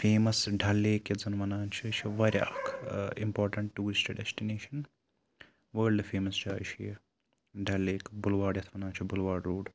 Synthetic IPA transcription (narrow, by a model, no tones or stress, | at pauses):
feːmɐsɖʱɐlːeːkɐd͡zɐnʋɐnaːnt͡ʃʰit͡ʃʰiʋɐɾʲja̰ːkʰḭmpoːɾʈɐɳʈːuːɾst͡ʃʰɐɖesʈineːʃɐn | ʋəːlɖfʰeːmɐst͡ʃʰaːiʃʰijɐ | ɖʱɐlːeːkbʊlʋaːɖjɐt̪ʰʋɐnaːnt͡ʃʰibʊlʋaːɖɾoːɖ